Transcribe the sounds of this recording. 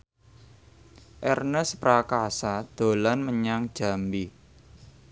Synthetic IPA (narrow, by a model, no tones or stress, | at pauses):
ʔɛrnəspɾakasad̪̥o̤lanməɲaŋd̥ʒ̥a̤mbi